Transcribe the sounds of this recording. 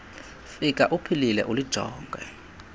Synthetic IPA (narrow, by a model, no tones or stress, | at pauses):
fik̬ʼaʔupʰililɛ̰ʔulid̥ʒ̥ʱɔ̰ːŋɡʱwɛ̰